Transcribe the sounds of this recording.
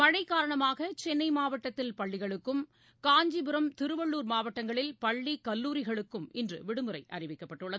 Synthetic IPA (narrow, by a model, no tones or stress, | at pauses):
mɐɻɐɪkːaːɾɐɳɐmaːɣɐt͡ʃɛnːɐɪmaːʋɐʈːɐt̪ːɪlpɐɭːɪɣɐɭɯkːɯm | kaːɲd͡ʒibɯɾɐmt̪ɪɾɯʋɐɭːuːɾmaːʋɐʈːɐŋɡɐɭɪlpɐɭːikɐlːuːɾɪɣɐɭɯkːɯmɪndrɯ̰ʋɪɽɯmɯɾɐɪʔɐ̰rɪʋɪkːɐpːɐʈːɯɭːɐðɯ